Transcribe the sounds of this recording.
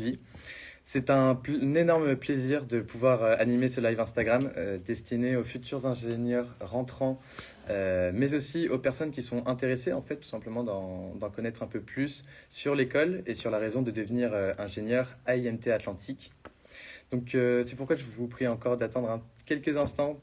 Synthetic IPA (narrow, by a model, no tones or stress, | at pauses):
i | sɛt̪ɛ̃nenɔʁməpleziʁd̪əpʰuvwaʁøanimesəlajvɛ̃st̪aɡʁamød̪ɛst̪ineofyt̪ʰyʁzɛ̃ʒenjœʁːɑ̃t̪χɑ̃ | ømɛzosiopɛʁsɔnkʲisɔ̃ʔɛ̃t̪eʁeseɑ̃fɛt̪t̪ːu̥sɛ̃pləmɑ̃d̪ɑ̃d̪ɑ̃kɔnɛt̪χɛ̃pøplysːyʁlekɔlesyʁlaʁezɔ̃d̪əd̪əvniʁøɛ̃ʒenjœʁaiɛmt̪eat̪lɑ̃t̪ʰik | d̪̥ɔ̃køsɛpuʁkwaʒəvupχiɑ̃kɔʁd̪at̪ɑ̃d̪ʁɛ̃kʲɛlkəzɛ̃st̪ɑ̃